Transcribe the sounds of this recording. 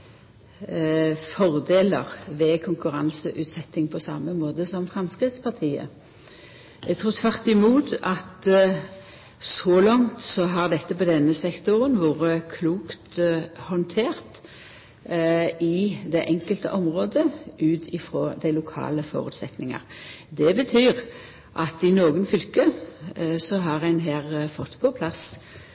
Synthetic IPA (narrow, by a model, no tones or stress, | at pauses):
fɔʁd̪eːləʁʋɛkʰʊŋkʉʁɑnsəʔʉːt̪sɛt̪ːɪŋpʰɔsɑ̰məmoːd̪əsɔmfʁɛmskʁɪt̪spɑʁt̪ʰiːə̰ | ɛɡt̪ʰʁuːt̪ʰʋæʁt̪ɪmuːt̪ɑt̪ | sɔlɑŋt̪sɔɦɑʁd̪ɛt̪ːəpɔd̪ɛnːəsɛkt̪ʊʁənʋuːʁəkʰluːkt̪hɔnt̪ʰeːʁt̪ | ɪd̪ɛʔɛŋkəlt̪ə̰ʔɔmʁoːd̪əʔʉːt̪ʰɪfʁoːd̪æɪlʊkʰɑ̰ːləfɔ̰ːʁʉ̰ːt̪sɛt̪nɪŋɑ̰ʁd̪ɛbət̪ʰyːʁ | ʔɑt̪ɪnoːɡənfʏlkə | sɔɦɑʁæɪnɦeːʁfɔt̪ːpʰɔpʰlɑs